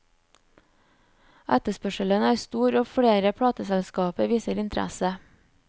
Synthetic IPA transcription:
ʔæt̪əspœʃələnəæːɾst̪uːɾoːfɽeːɾəpʰɽɑːt̪əsɛlskɑːpəʋiːsəɾɪnt̪ʰɾæ̰sə

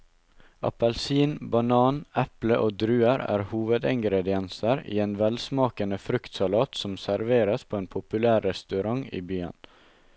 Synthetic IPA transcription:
ɑ̰pɛlsiːnbɑnɑːnɛpləʔoːd̪ɾʉːəɾæ̰ːɾhuːʋəd̪ɪŋɡɾɛd̪ɪɛnsəɾḭːeːnʋɛlsmɑːkənəfɾʉkt̪sɑlɑːt̪sɔmsæɾʋeːɾəspʰoːeːnpʰʊpʉlæːɾːɛst̪ʉɾɑŋḭːbyːə̰n

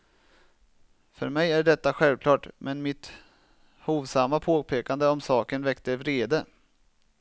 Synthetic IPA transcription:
fœ̰ɾmɛjæɖɛt̪ːaɧɛlvkʰlɑːʈmʔɛnmɪt̪ | huːvsamːapʰoːpʰeːkand̪əɔmsɑːkənvɛkt̪əvɾeːd̪ə

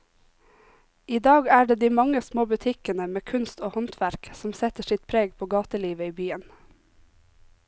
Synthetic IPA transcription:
iːd̪ɑːɡæːɖeːd̪iːmɑŋəsmoːbʉt̪ʰɪkənəmeːkʰʉnst̪oːhɔnt̪ʰʋæɾksɔm̩sɛt̪əʃɪt̪̚pʰɾeːɡpʰoːɡɑːt̪əliːʋəiːbyːən

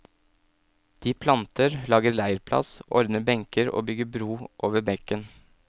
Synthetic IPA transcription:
d̪̥iːpʰlɑnt̪ʰəɾlɑːɡəɾlæɪəɾpʰlɑ̰sɔ̰ɾd̪nəbɛŋkʰəɾo̰ːbʏɡəbɾuːʔoːʋəbɛkən

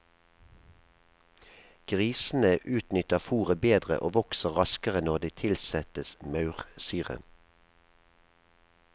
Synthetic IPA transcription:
ɡ̥ʁiːsn̩əʔʉːt̪nʏt̪əʁfuːʁəbeːd̪ʁə̰ʔo̰ːʋɔksəʁʁɑskəʁənɔʁd̪iːt̪ʰɪlsɛt̪əsmɑʉʁsyːʁə̰n

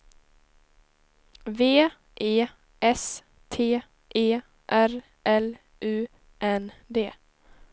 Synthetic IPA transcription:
veː | ʔeː | ʔɛs | t̪ʰeː | ʔeː | ʔæɾ | ʔɛl | ʔʉ̟ː | ʔɛnd̪eː

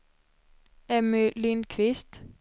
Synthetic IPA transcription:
ɛmʏlinkʰʋɪst̪

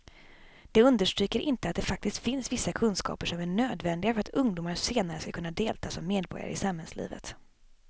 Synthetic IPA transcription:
d̪̥ɛɵnd̪əʂʈɾyːkəɾʔɪnt̪əat̪d̪ɛfak̚t̪ɪst̪fɪnsvɪsːakʰɵnskɑ̰ːpəʂɔmæɳøːd̪vɛnd̪ɪɡafœɾat̪ɵŋd̪ʊːmaɾʂeːnaɾəskakʰɵnːad̪eːlt̪ʰɑːsɔmːeːd̪bɔ̰ɾja̰ɾə̰ɪ̰samhɛnslḭːvə̰t̪

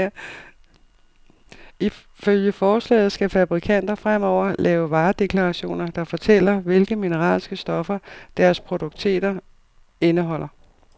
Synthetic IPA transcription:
i | føljəfɒːslɛ̰ːð̩ˠsɡ̥æfæb̥ʁikʰæn̰d̥ɐfʁam̰ɒʊ̰ɐlɛːʊʋɑ̈ːd̥e̝kʰlɑ̈ʁɑɕo̝̰ːnɐd̥ɑ̈fɒt͡sʰel̰ɐʋe̝lɡ̥əminəʁɑ̰̈ːlsɡ̥əsd̥ɒ̽fɐd̥æɐspʰʁo̝d̥oɡ̥̚t͡sʰe̝̰ːd̥ɐ | e̝nəɦɒ̽l̰ɐ

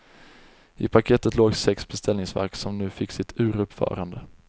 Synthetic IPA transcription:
ɪpʰakʰeːt̪ət̪loːɡsɛksbɛst̪ʰɛlnɪŋsvæ̰ɾksɔmnʉ̟ːfɪkːsɪt̪ʰʉ̟ːɾɵpfœ̰ːɾand̪ə

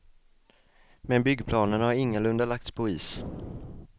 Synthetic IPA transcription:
mɛnbʏɡːpʰlɑːnənhaɾɪŋːəlɵnd̪alak̚t̪spʰɔiːs

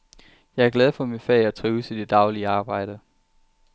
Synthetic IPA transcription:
jɑ̈ɪæɐɡ̥læð̞ˠfɒ̽minfɛːæt͡sʰʁiːʊsʰid̥e̝d̥ɑ̈ʊliəɑ̈ːb̥ɑ̈ɪ̰ɾ̥ə

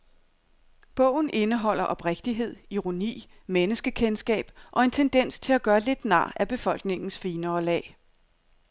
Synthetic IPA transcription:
b̥ɔ̰̽ʊ̰n̩ʔe̝nəɦɒ̽l̰ɐʔɒ̽b̥ʁeɡ̥̚d̥iɦe̝ð̞̰ˠiʁo̝nḭː | menəsɡ̥əkʰensɡ̥ɛ̰ːb̥ʔɒ̽e̝nt͡sʰend̥en̰st͡sʰe̝læɡ̥ɶːɐle̝d̥nɑ̰̈ːæb̥e̝fɒ̽l̰ɡ̥ne̝ŋn̩sfiːnɐːlɛ̰ː

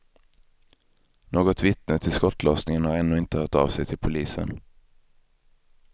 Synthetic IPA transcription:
noːɡɔt̪vɪt̪nət̪ʰɪlskɔt̪ːlɔːsnɪŋənhaɾɛnːʉːɪnt̪əhœːʈɑ̰ːvsɛjt̪ʰɪlpʰʊliːsə̰n

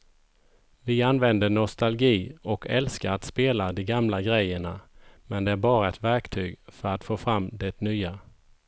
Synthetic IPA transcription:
vɪanvɛnd̪əɳɔst̪alɡiːɔkʰɛ̰lskaɾat̪speːlad̪ɛɡamlaɡɾɛjːəɳamɛnd̪ɛæɾbɑːɾaɛt̪væɾkt̪ʰyːɡfœɾat̪foːfɾamːd̪ɛt̪nyːa

